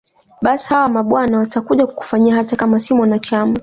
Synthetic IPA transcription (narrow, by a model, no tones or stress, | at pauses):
ɓasi̥hawamaɓwanawatakuʄaku̥ku̥faɲiaɦatakamasimwanat͡ʃama